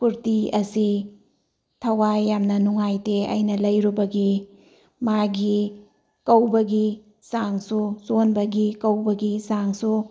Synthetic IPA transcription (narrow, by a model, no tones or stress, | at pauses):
kuɾtiɐsi | tʰɐwajːamnɐnuŋajteɐ̰jnɐlɐjɾubɐɡi | maɡi | kɐwbɐɡi | saŋsusonbɐɡikɐwbɐɡisaŋsu